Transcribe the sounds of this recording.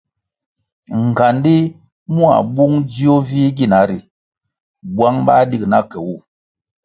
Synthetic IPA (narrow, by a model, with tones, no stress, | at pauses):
ŋ˨ɡa˨ndi˦ | mu˦a̰˨ɓu˦ŋd͡ʒi˦o˦vi˦ɡi˦˨na˨˦ɾi˨ | ɓwa˦ŋɓa˦di˦kna˦kɛ˨wu˦˨